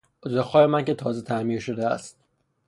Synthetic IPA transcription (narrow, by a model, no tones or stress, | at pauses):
ozexɒːjemæŋcet̪ʰɒːzet̪ʰæmiːɾʃod̪eæ̰st̪̚